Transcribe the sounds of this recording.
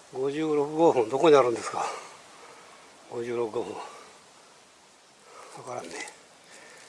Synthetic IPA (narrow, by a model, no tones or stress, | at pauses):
ɡo̞ʑɨːɾo̞kɯɡoːɸɯ̃nd̪okoɲinaɾɯ̃nd̪e̞sɨ̥ka | ɡo̞ʑɨːɾo̞kɯɡoːɸɯ̃ŋ | sokaɾane